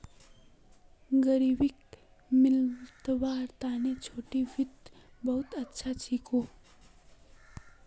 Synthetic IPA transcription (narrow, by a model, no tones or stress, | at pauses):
ɡəɾiːbɪk | mɪlt̪baːɾt̪aːnet͡ʃʰoːʈiʋɪt̪bɐɦʊt̪ətːʃʰat͡ʃʰikoː